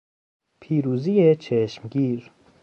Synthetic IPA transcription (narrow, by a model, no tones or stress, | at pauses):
pʰiːɾuːziet͡ʃʰeʃmɡiːɾ